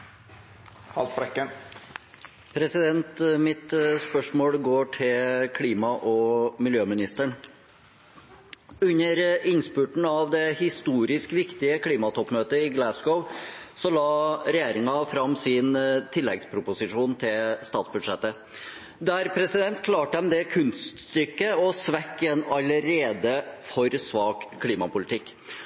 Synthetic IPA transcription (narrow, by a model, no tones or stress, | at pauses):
hɑ̰lt̪fɾɛkːəɳ | pʰɾɛsɪd̪ɛnt̪mɪt̪spœʂmoːlɡoːʈʰɪlkʰliːmɑʔɔmɪljøːmɪnɪst̪əɳ | ʉɲːəɾɪnspʉʈɳ̩ɑʋd̪ɛhɪst̪uːɾɪskʋɪkt̪ɪəkʰliːmɑt̪ʰɔpːmøːt̪əɪɡlæsɡɔʊsɔlɑːɾɛjeːɾɪŋɑfɾɑmːsɪnt̪ʰɪlːɛɡspʰɾʊpʊsɪʂuːnt̪ʰɪlst̪ɑːt̪sbʉd̪ʂɛt̪ːə | d̪æɾpʰɾɛsɪd̪ɛnt̪kʰlɑːʈəd̪ɛmd̪ɛkʰʉnst̪st̪ʏkːəɔsʋɛkːɛnɑləɾeːd̪əfɔɾsʋɑːkkʰːliːmɑpʊlɪt̪ʰɪkː